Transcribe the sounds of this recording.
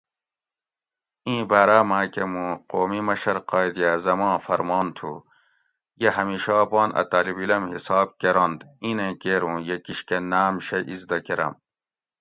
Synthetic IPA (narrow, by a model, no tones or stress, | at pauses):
ĩːbaːɾaːmãːkemũːqoːmimɐɕɐɾqɑːjd̪ijazɐmãːfɐɾmɑːnt̪ʰṵ | jeɦɐmiːʃɑːpɑːnʔɐ̰t̪aːlibilɐmhisɑːb̚keɾond̪ĩːnẽkeːɾũːjekiɕkenaːmɕɐʔizd̪ɐkeɾɐ̰m